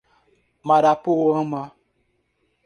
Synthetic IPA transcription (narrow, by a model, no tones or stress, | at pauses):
maɾapowoma